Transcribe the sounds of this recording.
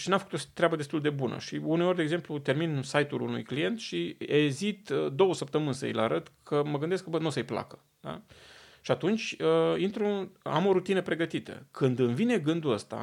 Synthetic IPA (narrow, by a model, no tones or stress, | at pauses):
ʃinamfəkut̪ot̪ɾeabəd̪est̪uld̪e̞bunə̰ʃiune̞o̞rʲd̪eɡzemplut̪e̞rminsajt̪ulunṵjklije̞nt̪ʃiezit̪d̪o̞wəsəp̚t̪əmɨnʲsə̰jḭlaɾət̪kʰəməɡɨnd̪eskbənosəjpla̰kə̥ | d̪a̰ʃiat̪unt͡ʃʲəint̪ɾua̰mo̞ɾut̪inəpɾe̞ɡət̪it̪ə̰kɨnd̪ɨnvine̞ɡɨnd̪uəst̪a̰